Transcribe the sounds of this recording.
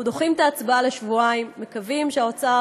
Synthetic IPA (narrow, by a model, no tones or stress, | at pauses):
d̪oχimt̪aːt͡sbaleʃvuaimːe̞kavimʃeaot͡sa